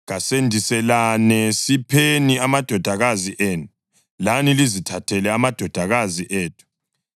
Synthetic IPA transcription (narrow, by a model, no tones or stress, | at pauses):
ɣasendʱisɛlanɛsipʰeniamad̥ʱɔd̥ʱaɣaziʔɛːnu | lanilizitʰatʰɛlɛamad̥ʱɔd̥ʱaɣaziʔɛːtʰu̥